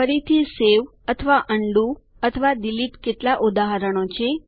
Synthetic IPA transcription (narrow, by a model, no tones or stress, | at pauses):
əɾit̪ʰiseʋ | ət̪ʰəʋaʔəɳɖu | ət̪ʰəʋad̪iliʈkeʈlaʔud̪aɦəɾəɳ̃ot͡ʃʰe